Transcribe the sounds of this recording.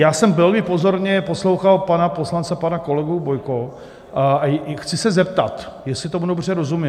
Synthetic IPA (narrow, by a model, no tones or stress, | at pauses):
jaːsɛmbɪlɡɪpo̞zo̞ɾɲɛpo̞slowxalpanaposlant͡sɛpanako̞lɛɡubojko | axt͡sɪsɛzɛpt̪at̪ | jɛsɪt̪omudo̞br̝ɛɾo̞zumi